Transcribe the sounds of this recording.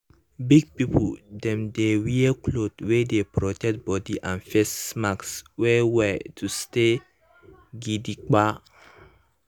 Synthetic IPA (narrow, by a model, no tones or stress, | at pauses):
biɡ̚pipdɛ̃mdewiəkʰlodwedepɹɔtɛk̚t̚bɔdiʔãnfɛsmakswɛwɛtʰuste | ɡidik͡pa